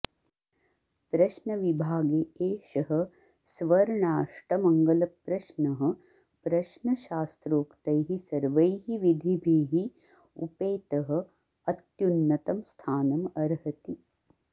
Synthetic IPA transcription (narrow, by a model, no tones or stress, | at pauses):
pɾɐʃnɐʋibʱaːɡeːeːʃɐɦɐ̆ | sʋɐɾɳaːʂʈɐmɐŋɡɐlɐpɾɐʃnɐɦɐ̆ | pɾɐʃnɐʃaːst̪ɾoːkt̪ɐjɦisɐɾʋɐjɦiʋid̪ʱibʱeːɦi | ṵpeːt̪ɐɦɐ̆ | ɐt̪junːɐt̪ɐmst̪ʰaːnɐmɐɾɦɐt̪i